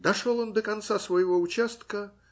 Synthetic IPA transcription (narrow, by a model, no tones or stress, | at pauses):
d̪ɐʂolˠond̪əkɐnt̪sasvəjɪvoʊt͡ɕast̪kə